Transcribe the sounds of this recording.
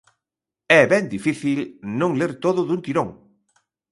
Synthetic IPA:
ɛβɛnd̪ifiθilnõŋleɾt̪oðʊðunt̪iɾõŋ

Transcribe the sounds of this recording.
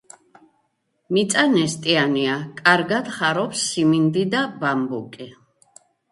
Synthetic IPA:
mit̪sʼanɛst̪ʼianiakʼaɾɡad̪̥χaɾɔpsːimind̪id̪abambukʼi

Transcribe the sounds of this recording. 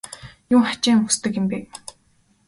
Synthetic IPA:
juːχḁt͡ɕiːŋxust̪ɘ̆kɪ̆mpeː

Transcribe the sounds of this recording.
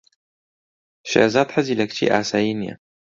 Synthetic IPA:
ʃa̰ʔzaːt̪ħaziːlɐkt͡ʃʰḭːʔa̰ːsaːjinja̰

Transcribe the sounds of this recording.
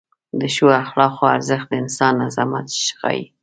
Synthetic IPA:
d̪əʃuaxlɑqoaɾzəxt̪̚d̪əɪnsɑnːazɑmat̪ʃxɑ̰jḭ

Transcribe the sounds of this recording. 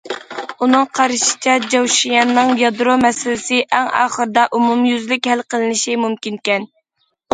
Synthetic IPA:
unɨŋqʰɑɾɨʃi̥t͡ʃʰɛd͡ʒɑwʃijɑnːɨŋjɑd̪ɾomɛsɪlɪsɪʔɛŋɑ̰ːχəɾd̪ɑʔumumjyzlɪkʲhælqʰəlˠɨnɪʃimumkʲinkʲɛn

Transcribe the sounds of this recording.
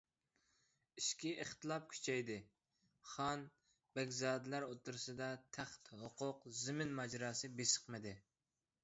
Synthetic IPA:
iʃkʲiʔəχt̪ɨlˠɑp̚kʲʰy̥t͡ʃʰɛjd̪ɪ | χɑn | bɛɡʲzɑːd̪ɪlæɾot̪uɾɨsɨd̪ɑt̪ʰæχt̪hoqʰʊqzɪmɪnmɑd͡ʒɾɑːsɨbesə̥qmɨd̪ɪ

